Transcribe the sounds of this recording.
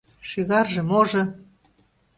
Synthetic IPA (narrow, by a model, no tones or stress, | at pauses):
ʃyɣɑrʒɤ̆moʒɤ̆